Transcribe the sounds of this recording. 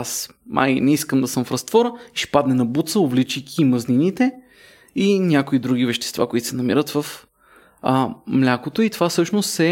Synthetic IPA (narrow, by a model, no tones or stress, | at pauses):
asnʔa̰jnɛiskəmd̪ɐsɤmfɾɐst̪vɔɾəiʃɛ̥pad̪nɛnɐbut̪səʊvlit͡ʃijkʰʲiːmɐzninit̪ɛ | inʲjakʊid̪ɾuɡ̟ʲivɛʃt̪ɛ̥st̪va̰koit̪o̥sɛnɐmḭɾət̪vəf | mlʲakot̪oit̪ovafsɤʃnost̪sɛ